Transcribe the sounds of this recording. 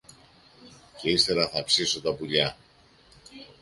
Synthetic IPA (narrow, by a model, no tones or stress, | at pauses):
ce̞ist̪e̞ɾɐθɐpsiso̞t̪ɐpuʎɐ